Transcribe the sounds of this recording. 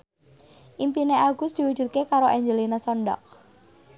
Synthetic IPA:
ʔimpineaɡ̥ʊ̤sd̪̥iwu̥d͡ʒ̥ṳt̪̚kekaɾoʔɛɲd͡ʒəlinasɔɳɖɔ̰k̚

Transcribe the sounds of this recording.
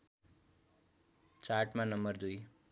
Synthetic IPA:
t͡sarʈmanʌmbʌrd̪uj

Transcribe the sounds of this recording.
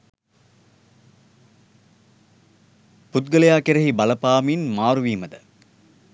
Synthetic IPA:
put̪̚ɡɐlɐjaːkeɾɐɦibɐlɐpaːminmaːɾuʋiːmɐd̪ə

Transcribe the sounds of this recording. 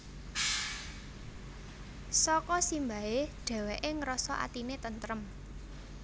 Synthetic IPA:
sɔkɔsimbaeɖ̥ɛ̤weʔɪŋɾɔsɔʔa̰t̪inet̪ənt̪ɾəm

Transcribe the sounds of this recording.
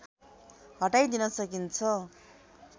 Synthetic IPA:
hɦʌʈajd̪inʌsʌkint͡sʰʌ

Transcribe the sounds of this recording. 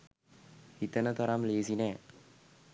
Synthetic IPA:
hit̪ənət̪aɾamleːsinɛː

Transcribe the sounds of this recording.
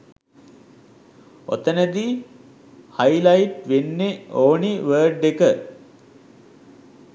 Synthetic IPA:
o̰t̪ənəd̪i | hajlaiʈʋenːeoːniʋəːɖekə

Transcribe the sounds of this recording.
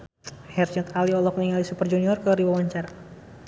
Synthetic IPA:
hɛrt͡ʃɛt̪aliɔlɔk̚niŋalisupərd͡ʒuniɔrkəɾiwawaɲt͡ʃaɾa

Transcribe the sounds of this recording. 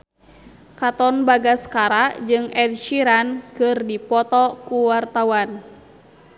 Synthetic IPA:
kat̪ɔnbaɡaskaɾad͡ʒɨŋɛdʃiɾankɨrdipɔt̪ɔkuwart̪awan

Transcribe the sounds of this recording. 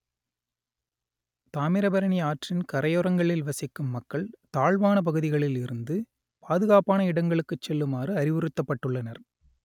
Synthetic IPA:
t̪aːmɪɾɐbɐɾɐɳiaːʈrɪnkɐɾɐjɔɾɐŋɡɐɭɪlʋɐsɪkːɯmːɐkːɐɭt̪aːɭʋaːnɐp̬ɐɣɯðɪɣɐɭɪlɪɾɯnd̪ɯ | paːðɯɣaːpaːnɐɪɽɐŋɡɐɭɯkːɯt͡ʃːɛlːɯmaːrɯɐɾɪʋɯɾɯt̪ːɐpːɐʈːɯɭːɐnɐɾ

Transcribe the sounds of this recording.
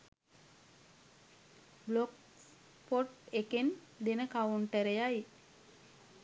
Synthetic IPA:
blok | poʈeken | d̪enəkawuɳʈəɾejaj

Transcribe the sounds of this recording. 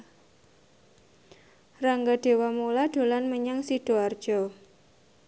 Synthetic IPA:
raŋɡaɖ̥e̤wamulaɖ̥o̤lanməɲaŋsiɖ̥o̤ard̥ʒ̥ɔ

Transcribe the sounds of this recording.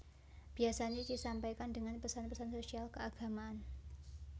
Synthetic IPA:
b̥iasaɲadisampajkandəŋanpəsanpəsansosialkəaɡ̥a̤maan

